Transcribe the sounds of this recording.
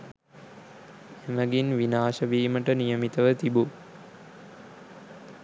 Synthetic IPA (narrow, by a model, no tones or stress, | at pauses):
eməɡinʋinaːʃəʋiːməʈənijəmit̪əʋət̪ibu